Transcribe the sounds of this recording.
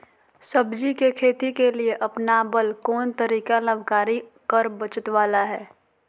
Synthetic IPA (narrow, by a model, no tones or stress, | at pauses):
səbd͡ʒikekʰeːt̪ikelieʔɐpnabəlkɔːnt̪əɾiːkaləbʱkaːɾikəɾbət͡ʃət̪ʋaːlaɦɛː